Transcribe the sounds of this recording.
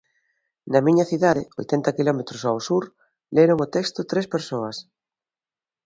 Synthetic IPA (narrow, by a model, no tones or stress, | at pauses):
nɐmĩɲɐθiðaðɪojt̪ent̪ɐkilɔmet̪ɾosawsuɾ | leɾoŋot̪ekst̪ot̪ɾespeɾsoɐs